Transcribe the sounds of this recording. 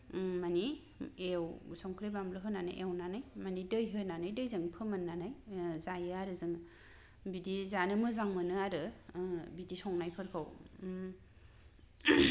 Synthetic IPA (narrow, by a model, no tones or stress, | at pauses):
mani | ewsɔŋkʰɾebamblɯɦɯnana̰jʔewnanajmanidɯjɦɯnanajdɯjzɯŋpʰɯmanːanajzajɯaɾɯzɯŋ | bidizanɯmɯzaŋmɯnɯaɾɯ | bidisɔŋnajpʰɯɾkʰaw